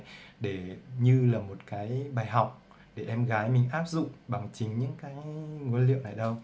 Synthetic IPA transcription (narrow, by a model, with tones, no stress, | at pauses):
ɗe˧˩ɲɨ˧laː˨˩mo˨˩t̚kaː˨˦jɓaː˨˩jɦa˨˩wk͡p̚ | ɗe˧˩ʔɛ˧mɣaː˨˦jmï˨˩ŋ̟ʔaː˦˥p̚zʊ̰˧˨ŋ͡mɓa˨˩ŋt͡ɕï˨˦ŋ̟ɲɨ̰˧˥ŋkaː˨˦jŋu˧˦lḭ˧˨əwna˨˩jɗə˧w